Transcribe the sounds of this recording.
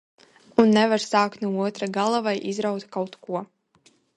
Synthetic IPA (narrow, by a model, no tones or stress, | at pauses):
unːɛvaɾsaːkt̪nuuɔt̪ɾaɡalˠavajʔizɾawt̪kawt̪kuɔ